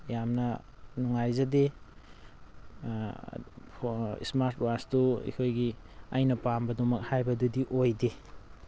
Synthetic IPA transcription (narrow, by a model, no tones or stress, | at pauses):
jamnɐ | nuŋajzɐde | ḭsmaɾt̚wastuḭkʰojɡi | ɐjnɐpambɐdomɐk̚hajbɐdudiʔojde